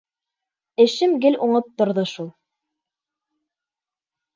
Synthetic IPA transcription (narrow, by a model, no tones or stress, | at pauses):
ɘ̆ʃɘmɡɘluɴɤp̚t̪ŏɾðɤʃulˠ